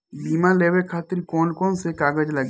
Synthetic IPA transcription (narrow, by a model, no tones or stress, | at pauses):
biːmãleːbekʰaːt̪ɪɾkoːnkoːnsekaːɡəd͡ʒləɡ